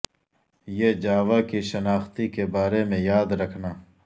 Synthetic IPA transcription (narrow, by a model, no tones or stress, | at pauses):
jeːd͡ʒaːʋakiʃɐnaːxt̪ikebaːɾemẽjaːd̪ɾɐkʰnaː